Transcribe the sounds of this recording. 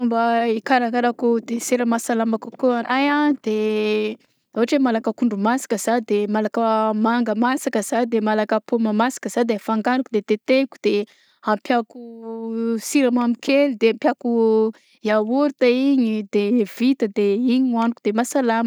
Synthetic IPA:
mbaikaɾakaɾakud̪eseɾəmasalamakukoaajad̪̥e | oɦaʈ͡ʂemalakəkuɳɖ͡ʐumasḁkəz̥ad̪emalakəmaŋɡəmasakəz̥ad̪emalakəpomamasḁkəz̥ad̪efaŋɡanukud̪et̪et̪eku̥d̪̥e | ampjaku | siɾamamikʰelid̪eampʲjaku | jawuɾt̪aiɲid̪ev̥it̪əd̪eiɲanukud̪̥emasalamə

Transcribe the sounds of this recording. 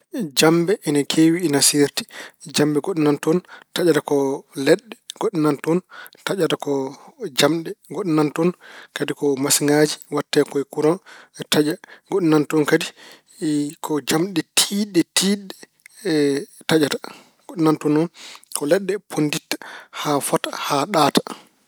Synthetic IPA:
d͡ʒambɛʔɛnakʰeːwiːnasiɾti̥d͡ʒambɛɡoɗɔnantɔntad͡ʒatakɔlɛɗːɛɡ̥oɗɔnantɔntad͡ʒatakɔd͡ʒamɗɛɡoɗɔnantɔnkadikɔmasŋɡad͡ʒiwatːɛːkɔɛkuɾɔnɛtad͡ʒaɡoɗɔnantɔnkadi | kʰɔd͡ʒamɗɛtʰiɗɛtʰiːɗɛ | tad͡ʒatḁ | ɡ̥oɗɔnantɔnɔnkɔlɛɗːɛpʰonditːḁhafatḁhaɗaːtḁ

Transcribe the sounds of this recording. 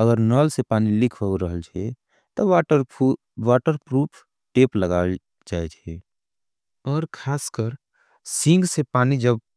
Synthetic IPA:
əɡəɾnəːlsepaːnilɪkʰəɾəɦəlt͡ʃʰe | t̪ɔaʈə | ʋaːʈəɾpɾuːpʰ | ʈeːpləɡaːl | d͡ʒaːet͡ʃʰɛː | ɔːɾkʰaːskəɾ | sɪ̃ŋɡsepaːnid͡ʒəb̚

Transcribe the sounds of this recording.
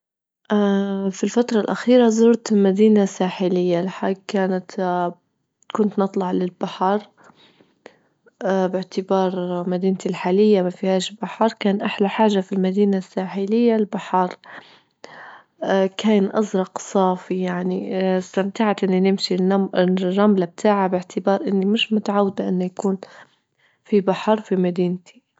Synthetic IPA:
ʔfilfat̪ɾˤɑlʔaxiːɾazʊːɾt̪ɪlmad̪iːnasaːħɪlɪjːalħakaːnat̪ | kʊnt̪nɨt̪ˤlɑʕlɪlbaħɑɾˤ | ʔbɪʕt̪ɪbɑːɾˤmad̪iːnt̪ilħaːlɪjːamafihaːʃlbaħɑɾˤkaːnʔaħlaħaːʒafilmad̪iːnasːaːħɪlɪjːalbaħɑɾˤ | kʰaːnʔɑ̰zɾˤɑqsˤɑːfijaʕnist̪amt̪aʕat̪ʔɪnːinɪmʃinrˤːɑmlab̚t̪ʰaːʕabɪʕt̪ʰɪbɑːɾˤʔɪnːimɪʃmʊt̪aʕawːad̪ʔɪnːajakuːn | fibaħɑɾˤfimad̪iːnt̪ʰi̥

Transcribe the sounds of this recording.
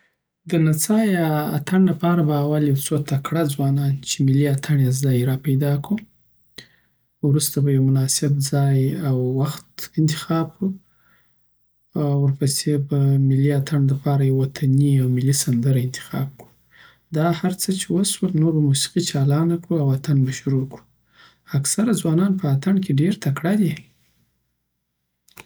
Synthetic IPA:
d̪ənat͡sɑja̰ːt̪ʰaɳlapɑɾabaːwaljawt͡sot̪akɽad͡zwɑnɑnt͡ʃemɪliat̪ʰaɳjazd̪ɑjɾɑpajd̪ɑku | wɾust̪abajawmʊnɑsɪbzɑjawːaxt̪ɪnt̪ɪ̥xɑb̚ku | wəɾpəsebamɪliat̪ʰaɳlapɑɾajawwat̪ʰaniawmɪlisand̪əɾaɪnt̪ɪ̥xɑ̰b̚kɽu̥ | d̪ɑhaɾt͡sət͡ʃewəswəlnoɾamusi̥qit͡ʃɑlɑnakɽuawat̪anbaʃʊɾoku̥ | aksaɾad͡zwɑnɑnpəat̪aɳkeɖeɾt̪akɽad̪e

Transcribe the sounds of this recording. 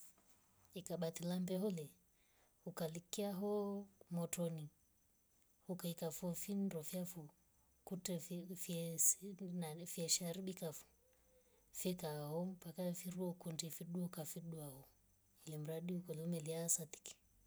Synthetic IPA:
ikaɓat̪ilambɛɦɔlɛ | hukalikiaɦɔmɔtɔni | hukaikafɔfindɔfiafu | kutɛf | nafiɛʃaɾiɓikafu̥ | fɛkaɔmpakafiɾuɔkundifiɗuɔkafiɗuahɔ | ilɛm̩ɾaɗiukɔlɛumɛliaːsat̪i̥ki̥

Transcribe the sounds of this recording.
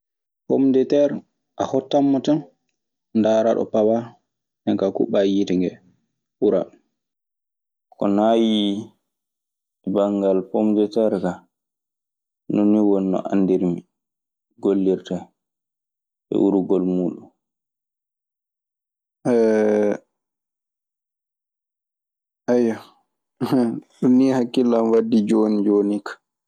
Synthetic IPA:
pomdɛtɛɾ | ʔahɔtːamːɔtan | ndaːɾaɗɔ̰pawa | nɛŋkakṵɓajitiŋɡɛ | uɾa̰ | kɔnaːji | baŋɡalpomdɛtɛɾka | noniwɔnːɔ̰ʔa̰ndiɾmi | ɡolːiɾta | ɛ̰ʔuɾuɡɔlmuːɗun | ɛ | ʔaja | ɗunihakːilamwadːid͡ʒoːnid͡ʒoːnikḁ

